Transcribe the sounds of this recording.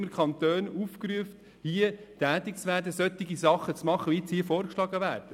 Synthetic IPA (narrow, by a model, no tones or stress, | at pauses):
məɾkʰɑnt̪øːnufkɾyəft | hiətæːt̪ɪkt͡sʋæːɾdəsœt̪ːɪɡisɑχːət͡smɑχːəʋit͡shiəfɔːɾkʃlɑɡəvæːɾd̥ə